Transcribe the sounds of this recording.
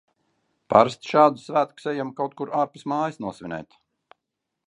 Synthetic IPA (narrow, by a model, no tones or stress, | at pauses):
paɾst̪ʃaːd̪usvæːt̪ku̥sɛjamkawt̪̚kuɾʔaːɾpi̥smaːjsnuɔsvʲinɛ̰jt̪